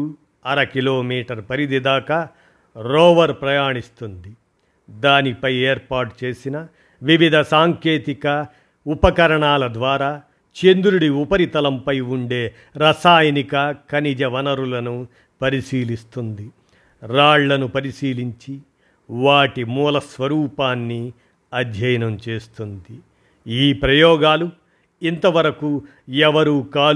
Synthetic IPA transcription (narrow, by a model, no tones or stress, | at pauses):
ɐɾɐkiloːmiːʈɐɾpɐɾid̪id̪aːkaː | ɾoːʋɐɾpɾɐjaːɳist̪und̪i | d̪aːnipɐjeːɾpaːʈt͡ʃe̞ːsinɐ | ʋiʋid̪ʱɐsaːŋke̞ːt̪ikɐ | upɐkɐɾɐɳaːlɐd̪ʋaːɾaː | t͡ʃend̪uɾuɽiupɐɾit̪ɐlɐmpɐjuɳɖe̞ː | ɾɐsaːjɐnikɐkɐnid͡ʒɐʋɐnɐɾulɐnu | pɐɾisiːlist̪und̪i | ɾaːɭlɐnupɐɾisiːliɲt͡ʃi | ʋaːʈimuːlɐsʋɐɾuːpaːnːi | ɐd̪ʱjɐjɐnɐmt͡ʃe̞ːst̪und̪i | iːpɾɐjɔːɡaːlu | int̪ɐʋɐɾɐku | ɛʋɐɾuːkaːl